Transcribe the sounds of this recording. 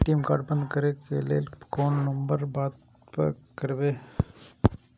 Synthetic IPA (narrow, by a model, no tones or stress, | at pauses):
ʈiːmka̰ːɾɖbənd̪kəɾekḛlelkoːnːɐmbəɾbaːt̪ | kɐɾʋeː